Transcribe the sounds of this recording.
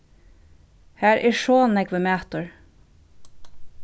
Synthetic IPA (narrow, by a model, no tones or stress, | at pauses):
hæːɹʔɪʃoːnɛɡʋəmæːt̪əɹ